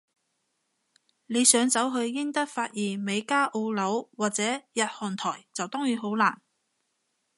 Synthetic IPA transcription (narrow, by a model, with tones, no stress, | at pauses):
le˨˧jsœː˨˥ŋt͡sɐ˨˥wɦɵ˧ɥːɪ˥ŋt̪ɐ˥k̚faː˧t̚jiː˨˩nme˨˧jkaː˥ʔo˧wlɐ˨˥wwaː˨˩t̚t͡sɛː˨˥jɐ˨t̚hɔː˨˩nt̪ʰɔː˨˩jt͡sɐ˨wt̪ɔː˥ŋjyː˨˥ɦo˨˥wlaː˨˩n